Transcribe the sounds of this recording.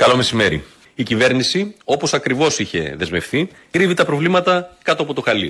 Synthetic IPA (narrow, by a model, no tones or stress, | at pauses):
kɐlo̞me̞sime̞ɾḭ | icive̞ɾnisio̞po̞sɐkɾivo̞siçe̞̰ðe̞zmefθi | kɾivit̪ɐpɾo̞vlimɐt̪ɐkɐt̪oɐpo̞t̪oxɐli